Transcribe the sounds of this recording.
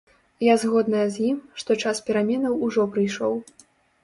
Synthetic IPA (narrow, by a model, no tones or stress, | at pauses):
jazɣɔd̪nɐjɐzʲjimʂt̪ɔt͡ʂaspʲɛɾamʲɛnɐwuʐɔpɾɨjʂɔw